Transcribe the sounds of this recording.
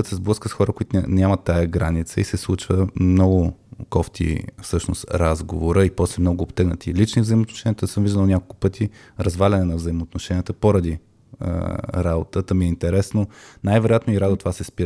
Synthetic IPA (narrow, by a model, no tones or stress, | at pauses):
ət̪sɛzblˠɤskəsxɔɾəkʊit̪ʊnʲamɐt̪ːajəɡɾanit̪sə̰isɛslˠut͡ʃvəmnɔɡʊkɔft̪ʰḭfsɤʃnost̪ɾazɡovoɾəipɔslɛmnɔɡʊːbt̪ɛɡnət̪ilit͡ʃnivzəimot̪noʃɛnʲiət̪əsɤmviʒd̪əlˠonʲakolˠkʊ̥pɤt̪ʰi | ɾɐzvalʲɐnɛnɐvzɐimoːt̪noʃɛnʲiət̪əpoɾɐd̪i | ə̰ɾabot̪ət̪əmiɛint̪ɛɾɛsnonajvɛɾojat̪noiɾad̪ot̪ovasɛspiɾə